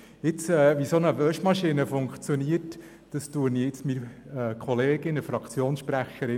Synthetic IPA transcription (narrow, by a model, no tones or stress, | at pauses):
ɪt͡sɛːʋisonəʋœʃmɑʃinəfʊŋkt͡sjɔniət | d̥ɑstuəniɪt͡smiɛkʰɔleːɡɪnəfɾɑkt͡sjoːnsʃpræχəɾɪ